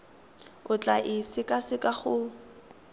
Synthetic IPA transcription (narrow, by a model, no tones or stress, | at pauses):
ʊt͡ɬʼaʔɪsɪkʼasɪkʼaχʊ